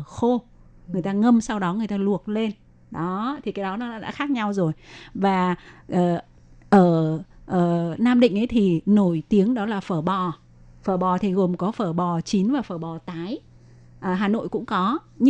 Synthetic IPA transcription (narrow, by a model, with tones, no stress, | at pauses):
xo˧ | ŋŋɨ˩əjt̪aː˧ŋə˧msa˧wɗɔ˨˦ŋɨ˨˩əjt̪aː˧lu˨˩ək̚le˧n | ɗɔ˨˦t̪ʰi˨˩kaː˨˦jɗɔ˨˦nɔ̰ː˨˦˧ɗa̰ː˧˥xaː˦˥k̚ɲa˧wzo˨˩jvaː˨˩ʔəː˨˩ | ʔəː˧˩ʔəː˧˩naː˧mɗḭ˧˨ŋ̟ʔə˨˦jt̪ʰi˨˩no˧˩jt̪i˨˦əŋɗɔ˨˦laː˨˩fəː˧˩ɓɔ˨˩ | fəː˧˩ɓɔ˨˩t̪ʰi˨˩ɣo˨˩mkɔ˨˦fəː˧˩ɓɔ˨˩t͡ɕi˨˦nvaː˨˩fəː˧˩ɓɔ˨˩t̪aː˨˦j | ʔəː˨˩ɦaː˨˩no̰˧˨jkʊ̰˧˥ŋ͡mkɔ˨˦ | ɲ